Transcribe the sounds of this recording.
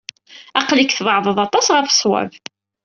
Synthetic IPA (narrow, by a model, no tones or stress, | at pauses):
ɑqlikθðˤʕðˤəðˤɑt̪ˤɑsʁəɾfə̥sˤwæ̰v